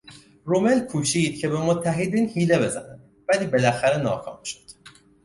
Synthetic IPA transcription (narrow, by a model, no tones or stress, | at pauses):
ɾomelkʰuːʃiːd̪̥̚cʰe̞be̞mot̪ʰːæɦed̪iːnhiːle̞be̞zæ̰næd̪ | væliːbe̞læxæɾe̞nɒːkʰɒ̰ːmʃod̪̥